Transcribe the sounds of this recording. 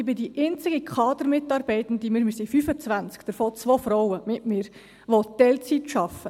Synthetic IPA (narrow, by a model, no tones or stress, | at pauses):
ɪbɪdiʔɪnt͡sɪɡ̥ikʰχɑːd̪əɾmɪtɑːɾb̥ɛɪt̪ən̩d̪imɪɾmysifyfət͡sʋænt͡skd̥əɾfoːt͡sʋoːfɾɔwəmɪtmɪːɾ | ʋot̪ɛlt͡sitʃɑfːə